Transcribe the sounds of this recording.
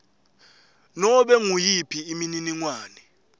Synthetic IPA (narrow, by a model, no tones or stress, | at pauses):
nɔɓɛŋujipʰiːmininiŋwaːnɛ